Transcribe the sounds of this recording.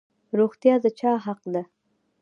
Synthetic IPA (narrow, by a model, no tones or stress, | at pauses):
ɾoɣt̪jɑd̪ət͡ʃɑɦaqd̪a